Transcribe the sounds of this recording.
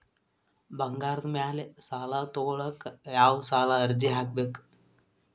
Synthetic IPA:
bɐŋɡaːɾd̪mjaːlesaːlat̪oːɭɐkjaːwsaːlaɐɾd͡ʒiɦak̚bek

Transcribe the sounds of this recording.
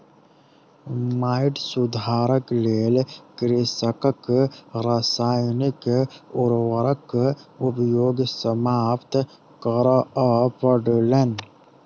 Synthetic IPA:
maːɪʈsʊd̪ʱaːɾəkleːlkɾisəkəkɾasaːjnikʊɾwəɾəkʊpjoːɡsəmaːpt̪ | kəɾapəɖlen

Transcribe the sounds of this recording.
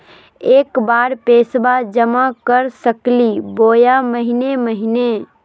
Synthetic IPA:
eːkbaːɾpeːsbad͡ʒəmakəɾsəkliboːjaməɦineməɦine

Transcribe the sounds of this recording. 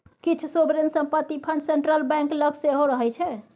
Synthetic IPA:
kit͡ʃʰusobɾensəmpət̪ːipʰəɳɖseɳʈɾəlbɛ̃ŋkləɡseɦoɾəɦɛt͡ʃʰɛ

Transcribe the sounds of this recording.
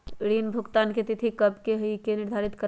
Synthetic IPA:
ɽinbʱuɡt̪anket̪it̪ʰikəbkeɦəikenɪɾd̪ʱaɾit̪kə

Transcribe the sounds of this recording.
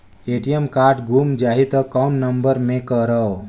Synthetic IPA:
eʈijəmkaːɾɖɡʱumd͡ʒaːɦit̪əkawnːəmbəɾmẽkəɾəo

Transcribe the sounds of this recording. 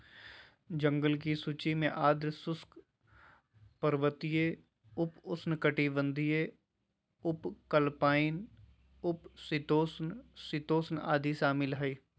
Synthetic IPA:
d͡ʒə̃ŋɡəlk̬isut͡ʃimẽʔaːd̪ɾsʊsk | pəɾʋət̪ije | ʊpʊsnkəʈibə̃nd̪ʱije | ʊpkəlpaːɪn | ʊpsɪt̪oːsnsɪt̪oːsna̰ːd̪iʃaːmɪlɦɐiː

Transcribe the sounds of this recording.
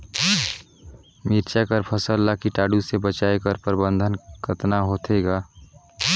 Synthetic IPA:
miɾt͡ʃakəɾpʰəsəlːakiʈaːɖusebət͡ʃaekəɾpəɾbənd̪ʱənkət̪naɦot̪ʰeɡa

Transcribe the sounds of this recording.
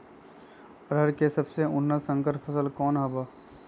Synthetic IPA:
pɾɦəɾkesɐbseʊnːəsə̃ŋkəɾfʰəsəlkɔːnɦɐba

